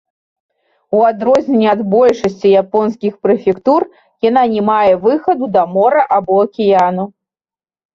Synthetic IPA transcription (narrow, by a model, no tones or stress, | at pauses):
uad̪ɾɔzʲnʲɛnʲːɛad̪bɔlʲʂɐsʲt͡sʲijapɔnskʲixpɾɛfʲɛkt̪ur | jananʲɛmajɛvɨxɐd̪ud̪ɐmɔɾɐʔabɔɐkʲijanu